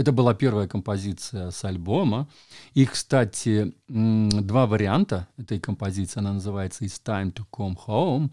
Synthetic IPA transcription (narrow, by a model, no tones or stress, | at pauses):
ɛt̪əbɨlˠapʲe̞rvəjəkəmpɐzʲit̪sɨjəsɐlʲbo̞mə | ikst̪atʲɪ | d̪vavəɾʲɪant̪əɛt̪əjkəmpɐzʲit̪sɨːɐnanəzɨvajɪt̪səɪst̪ajmt̪okomxom